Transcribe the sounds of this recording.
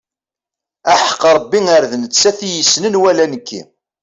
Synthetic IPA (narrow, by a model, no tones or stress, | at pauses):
æħə̥qːɾˤəbːiŋəɾðnət͡sːæθijəsnənwælænəkːḭ